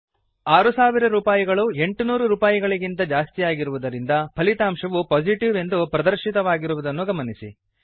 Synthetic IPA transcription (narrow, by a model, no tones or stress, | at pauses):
aːɾusaːʋiɾɐɾuːpaːjiɡɐɭue̞ɳʈunuːɾuɾuːpaːjiɡɐɭiɡint̪ɐd͡ʒaːst̪ijaːɡiɾuʋud̪ɐɾind̪ɐpʰɐlit̪aːmʂɐʋupoːd͡ʒiʈiʋe̞nd̪upɾɐd̪ɐɾʃit̪ɐʋaːɡiɾuʋud̪ɐnːuɡɐmɐnisḭ